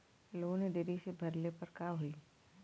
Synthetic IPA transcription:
loːɡneɖeɾisebʱɐɾlepɐɾkaɦui

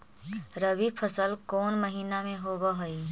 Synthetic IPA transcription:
ɾəbipʰəsəlkoːnməɦiːnamẽɦoːbəɦəi

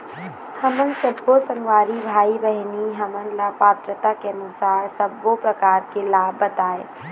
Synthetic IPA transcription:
hɐmənsəbʱːosə̃ŋɡwaːɾibʱaːibɛɦniɦɐmənlapaːt̪ɾət̪akeɐnʊsaːɾsɐbːopɾɐkaːɾkelaːbːɐt̪aːḛ

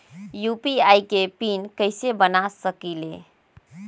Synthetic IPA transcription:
jupiajkepinkəɪsebənasəkile

